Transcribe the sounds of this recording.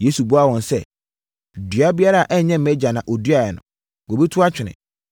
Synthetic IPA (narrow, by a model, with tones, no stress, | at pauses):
je˦su˨bu˦a˦wɔ̃˨nsɛ˦˨ | dɥa˦bi˦a˦ɾa˦˨ʔɛ˦˨ɲɛ̃˦m̩˨mɛ˦d͡ʑa˨nã˨ʔo˨dɥa˨jɛ˨nʊ̰̃˨ | wo˨bi˦tʰʊ˦a˦t͡ɕᶣɪ˨nɪ̰̃˨